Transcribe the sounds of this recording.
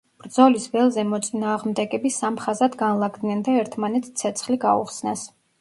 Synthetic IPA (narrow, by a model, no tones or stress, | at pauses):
b̥ɾd̪zɔlisbɛlˠzɛmɔt̪sʼinaːʁmd̪ɛɡɛbisamχazad̪ɡanlˠaɡd̪nɛnd̪aɛɾt̪ʰmanɛt̪st̪sʰɛt̪sʰχliɡaṵχsnɛs